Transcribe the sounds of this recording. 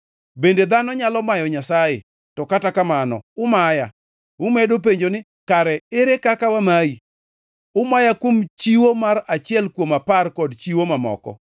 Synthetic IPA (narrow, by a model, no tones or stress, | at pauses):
bended̪anɔɲalɔmajɔɲasajḛ | tɔkatakamanɔ̰ʊmaja | ʊmedop̬eɲd͡ʒonɪ | kaɾɛeɾekakawamai | ʊmajakwomt͡ʃiwomaɾat͡ʃɪɛlkwomaparkɔdt͡ʃiwomamɔ̰kɔ̰